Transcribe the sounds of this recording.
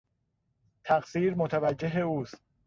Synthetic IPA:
t̪ʰæɢsiːɾmot̪ʰævæd͡ʒːeɦeuːst̪̚

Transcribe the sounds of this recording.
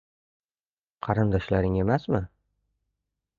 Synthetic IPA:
qʰɑɾɨnd̪ɒʃlaɾɪŋe̞masmɪ

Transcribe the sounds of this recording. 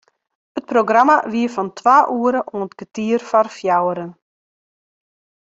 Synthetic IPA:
ət̚proɡramaʋiəfɔntʰwaːʔuəɾəʔonətkətiərfɔrfjawəɾən

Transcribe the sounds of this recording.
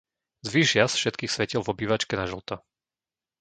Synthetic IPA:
zʋiʒɪasfʃɛt̪kiːxsʋɛcilvɔbiːʋat͡ʃkɛnaʒl̩t̪a

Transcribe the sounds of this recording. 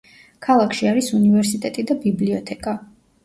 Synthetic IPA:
kʰalˠakʰʃiaɾisunivɛɾsit̪ʼɛt̪ʼid̪abibliɔt̪ʰɛkʼa

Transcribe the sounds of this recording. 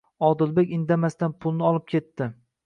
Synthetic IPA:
ɒd̪ɪlˠbekʲɪnd̪amast̪anpʰʊlˠnɪɒlˠɪp̚kʲʰe̞t̪ːɪ

